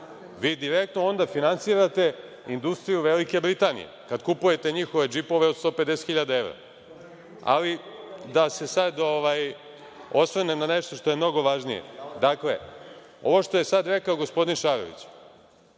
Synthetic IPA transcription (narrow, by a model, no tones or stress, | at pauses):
ʋiːd̪iɾek̚t̪noo̞nd̪afinansiːɾat̪e̞ | ind̪ust̪ɾijuʋelike̞bɾit̪aːnḭe̞̰kad̪kupuje̞t̪e̞ɲixo̞ʋe̞d͡ʒipo̞ʋe̞od̪st̪o̞ːpe̞d̪eset̪xiʎad̪ae̞ʋɾa̰ | a̰lid̪ase̞sad̪o̞ʋaj | o̞sʋnenaneʃt̪o̞ʃt̪o̞je̞mno̞ɡo̞ʋaʒnijḛd̪akle̞̰ | o̞̰ʋo̞ʂt̪o̞je̞sad̪ɾekao̞ɡo̞spo̞d̪inʃaːɾo̞̰ʋḭt͡ɕ